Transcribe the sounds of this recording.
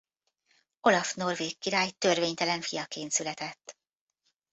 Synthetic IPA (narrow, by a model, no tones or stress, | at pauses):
o̞lɒfno̞rveːkːiɾaːjt̪ø̞rveːɲt̪ɛlɛɱfijɒkeːnt̪sylɛt̪ɛt̪ː